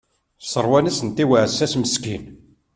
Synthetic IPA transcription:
sˤəɾˤwænæsənt̪iwəʕəsːæsməskin

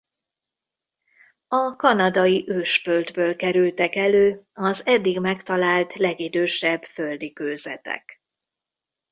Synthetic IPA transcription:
ɒkɒnɒd̪ɒjiʔøːʃføld̪bøːlkɛɾylt̪ɛkɛløːɒzɛd̪ːiɡmɛkt̪ɒlaːlt̪lɛɡid̪øːʃɛbføld̪ikøːzɛ̰t̪ɛ̰k

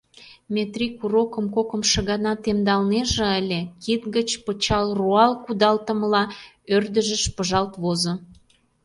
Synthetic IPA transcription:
mʲet̪rikuɾokə̆mkokə̆mʃə̆ɣɑnɑt̪emd̪ɑlneʒĕəlʲekit̪ɡət͡ɕpət͡ɕɑlruɑlkud̪ɑlt̪ə̆məlɑ | ørd̪ə̆ʒəʃpəʒɑlt̪βozo

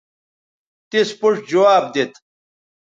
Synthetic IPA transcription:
t̪ispuʂd͡ʑɐwaːb̚d̪et̪

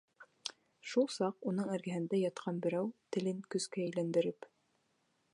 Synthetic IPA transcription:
ʃulˠsɑqunɤɴæɾɡæɦɘ̆nd̪æjɑt̪qʰɑnbɘ̆ɾæwt̪ɘ̆lɘŋkɵ̆skæ̆ːjlænd̪ɘ̆ɾɘp

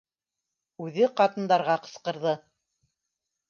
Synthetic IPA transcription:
ʉðɘqɑt̪ɤ̆nd̪ɑɾʁɑqɤ̆sqɤ̆ɾðɤ

